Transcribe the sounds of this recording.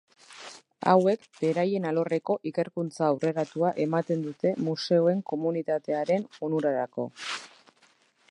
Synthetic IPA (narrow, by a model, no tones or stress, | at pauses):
a̰we̞kb̥e̞ɾaje̞nalo̞re̞ko̞ʔike̞ɾkunt͡saːwre̞ɾat̪uaʔe̞mat̪e̞nd̪ut̪e̞muse̞oe̞ŋko̞munit̪at̪e̞aɾe̞nunuɾaɾako̞̰